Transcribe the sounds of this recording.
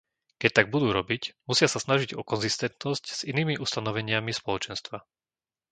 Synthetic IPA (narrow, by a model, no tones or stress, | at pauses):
kɛc̚t̪aɡ̚bud̪uːɾɔbicmusɪasasnaʒiɟɔkɔnzist̪ɛnt̪nɔscz̥iniːmiʔust̪anɔʋɛɲɪamispɔlɔt͡ʃɛnst̪ʋa